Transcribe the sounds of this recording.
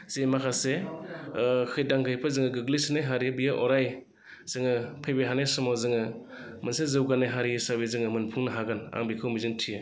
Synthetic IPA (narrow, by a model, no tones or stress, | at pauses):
z̥emakʰase | kʰɯjdaŋɡɯjpʰɯzɯŋɯɡɯɡlisinajɦaɾibijaʔɔɾaj | z̥ɯŋɯpʰɯjbeɦanesɔmɔzɯŋɯ | mɯnsezɯwɡanajɦaɾijɯsabizɯŋɯmɯnpʰɯŋnɯɦaɡana̰ŋbikʰɯwmizɯŋtʰijɯ